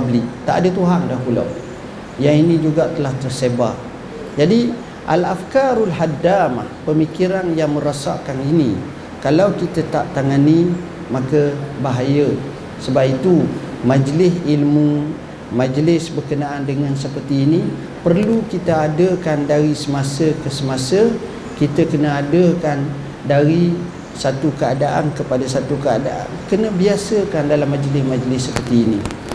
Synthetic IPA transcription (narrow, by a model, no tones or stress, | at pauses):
blɪʔt̪aʔadət̪uɦaŋdahpula̰w | jaŋinĩd͡ʒuɡat̪əlaht̪ərsebaʔ | d͡ʒadi | ʔa̰lafkaɾalɦadama̰hpəmikiɾanjaŋmə̃ɾasa̰ʔkaninĩ | kalawkit̪at̪aʔt̪aŋani | makəbaɦajə | səbapit̪u | mad͡ʒlɪsilmu | mãd͡ʒlɪsbərkənaandəŋãnsəpərt̪iːnĩ | pərlukit̪əadəkandaɾisəmasəkəsəmasə | kit̪əkənəadəkan | daɾi | sat̪ukəadaʔankəpadasat̪ukəadaʔa̰nkənə̃biasəkandalamːãd͡ʒlɪsmãd͡ʒlɪsːəpərt̪iːni